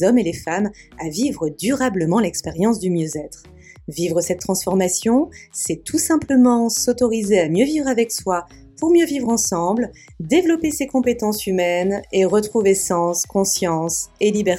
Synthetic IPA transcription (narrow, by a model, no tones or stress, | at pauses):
zɔmelefamavivʁəd̪yʁabləmɑ̃lɛkspeʁjɑ̃s̬d̪ymjøzɛt̪χ | vivʁəsɛt̪ːχɑ̃sfɔʁmasjɔ̃sɛt̪ʰusɛ̃pləmɑ̃sɔt̪ɔʁizeamjøvivʁavɛkswa | puʁmjøvivʁɑ̃sɑ̃bl | d̪evlɔpesekɔ̃pet̪ɑ̃symɛneʁət̪χuvesɑ̃skɔ̃sjɑ̃selibɛ